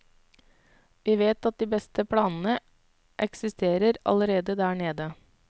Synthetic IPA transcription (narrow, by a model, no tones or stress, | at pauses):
ʋiːʋeːt̪ɑt̪̚d̪iːbɛst̪əpʰɽɑːnn̩ə | ʔɛksɪst̪ʰeːɾəɾɑ̰ləɾeːd̪əd̪æːɳeːd̪ə